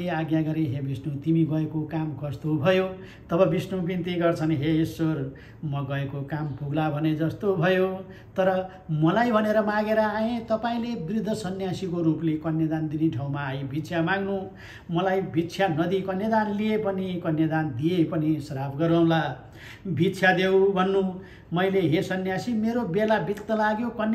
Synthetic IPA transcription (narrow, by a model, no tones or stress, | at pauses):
eaɡjaɡʌɾeɦebisnut̪imiɡʌekokamkʌst̪obʱʌjo | t̪ʌbʌbisnubint̪iɡʌrt͡sʰʌnɦeisːor | mʌɡʌekokampʰuɡlabʱʌned͡zʌst̪obʱʌjo | t̪ʌɾʌ | mʌlajbʱʌneɾʌmãɡeɾʌaẽt̪ʌpaĩlebrid̪ʱːʌsʌnjasikoɾuplekʌnjʌd̪and̪iniʈʰaw̃maːjebʱit̪sʰjamãɡnu | mʌlajbʱit̪ːsʰjanʌd̪ikʌnjʌd̪anliepʌnikʌnjʌd̪and̪iepʌnisʌɾapʰɡʌɾaw̃la | bʱit̪ːsʰjad̪ewbʱʌnːu | mʌjleɦesʌnjasimeɾobelabikt̪ːʌlaɡjokʌn